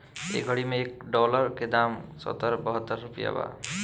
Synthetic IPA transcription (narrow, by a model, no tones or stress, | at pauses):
ḛɡʱəɽimeek̚ɖɔləɾked̪amsɔ̰t̪ːəɾbəɦət̪ːəɾːupija̰ba̰